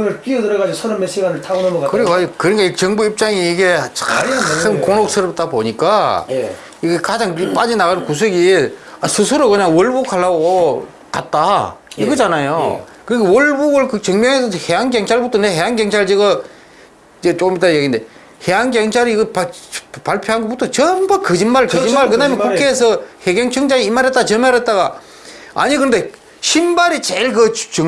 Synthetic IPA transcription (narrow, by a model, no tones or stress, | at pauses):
ɯɡɯɭp͈iʌdɯɾʌɣad͡ʑosʰʌɾʌnmeɕ͈iwanɯɭtʰaɡonomʌkkɯɾikakɯɲik͈ait͡ɕʌŋbuip̚t͡ɕ͈aŋiiɡe̞t͡ɕɯnkoŋok̚s͈ʰɯɾʌp̚t͈aboɲik͈a | iɡekad͡ʑaŋp͈ad͡ʑinaɣannkus̬ʰɯɡiasʰɯsʰɯɾokɯɲaŋwʌɭbukʰaɭːaɡo | kat̚t͈aiɡʌd͡ʑanajo | kɯɾiɡewʌɭbuɡɯɭkɯt͡ɕʌŋmjʌŋɦesʰʌheɦanɡjʌŋt͡ɕʰaɭbutʰoneɦeɦaŋɡjʌŋt͡ɕʰaɾɯt͡ɕeɡʌ | d͡ʑet͡ɕok͈ːɯmit͈ajeɡinde | heɦanɡjʌŋt͡ɕʰaɾiiɡɯpapaɭpʰjoɦanɡobutʰot͡ɕʌmbakɯd͡ʑinmaɾɯɭkɯd͡ʑinmaɾɯɭkɯdaɯmjʌnkukʰeːs̬ʰʌheɡeŋt͡ɕʰɯŋd͡ʑaiimaɾɦet͈at͡ɕʌmaɾet͈̚aɡa | a̰ɲikɯɾnde̞ | ɕʰimbaɾit͡ɕeɭkɯt͡ɕɯ